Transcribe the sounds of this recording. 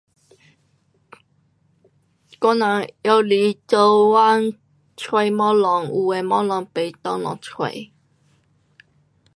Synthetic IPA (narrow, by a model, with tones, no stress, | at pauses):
kɔ˦nã˨˦jɔ˧˦li˨˦t͡so˧wa˦n | t͡sʰwe˨˦mɔ̃˦lɔ˨˧ŋu˨e˨˩mɔ˦lɔ˨˦ŋpe˨˦t̪ɔ˧lɔ̰˨ŋt͡sʰwḛ˨˩˦